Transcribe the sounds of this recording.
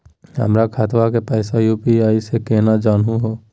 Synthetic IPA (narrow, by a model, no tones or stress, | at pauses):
ɦə̰mɾakʰaːt̪ʋakepɛːsajuːpiaːisekeːnad͡ʒaːnɦũɦoː